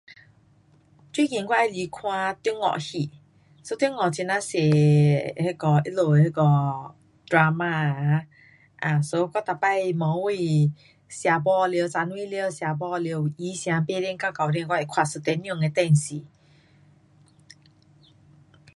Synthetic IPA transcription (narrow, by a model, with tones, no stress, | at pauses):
t͡ɕwi˦kĩ˨ŋkwa˦a˧˨li˨˧kʰwã˧t̪i˧˦ŋɔ̰˨ʔhi˧˨ | so˧˦t̪ŋɔ˨t͡ɕi˧˨nã˧˦se˨he˧˨kɔ˧ʔi˦lo˨he˧˨kɔ˧ | dɾa˧ma˧ | ʔã˨so˦˧ka˦t̪a˨pa˧˨i˧˨mɔ̃˨˦wi˧˨ | sja˨˧bɔ˧˨ljt͡sa˧nw̃i˦ljə˧˨sja˨˧bɔ˧lje˧˨wʔi˨˦sj̃ã˧˦pe˥˧˨ɾɛ˧˨ŋka˦ka˨ɾi˧˨ŋkwa˦˧ɛ˨kʰwa˧˨su˧˨t̪ɛ˧˦njũ˧˨ŋɛ˧˦t̪ɛ˧˨n̩˨si˨